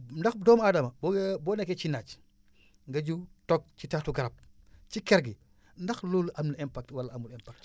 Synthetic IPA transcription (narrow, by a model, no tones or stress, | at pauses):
ndɐxdɔːmaːdɐmɐbɔɡbɔːnɛkːɛt͡ʃinat͡ʃ | ŋɡɐɟutɔk̚t͡ʃitatuɡɐɾɐp̚t͡ʃikɛɾɡi | ndɐxlulɐmniɛmpak̚twalɐɐmulɛmpak̚t